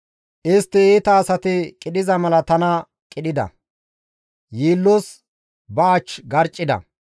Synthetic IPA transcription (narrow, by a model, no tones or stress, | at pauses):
ʔɪst̪ːɪiːt̪ɐːsɐt̪ɪkʼɪɗɪzɐmɐlɐt̪ɐnɐ | kʼɪɗɪd̪ɐ̰ | jiːlːos | bɐːt͡ʃːɡɐɾt͡ʃʼːɪd̪ɐ̰